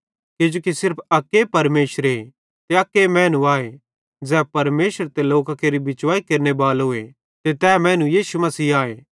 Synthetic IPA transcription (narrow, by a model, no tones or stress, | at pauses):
ked͡ʒoːkisɪɾpʰɐkːepɐɾmeːsəɾe | t̪eɐkːemɛ̃ːnũaːe | d͡zɛːpɐɾmeːʃəɾt̪eloːkakeːɾibɪt͡ʃʋaːikeɾnebaːlɦʊe | t̪et̪ɛːmɛ̃ːnũjiːsumɐsiːaːeː